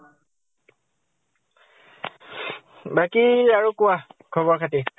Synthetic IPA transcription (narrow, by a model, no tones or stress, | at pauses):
bakiaɹukʊwakʰɔbɔɹkʰati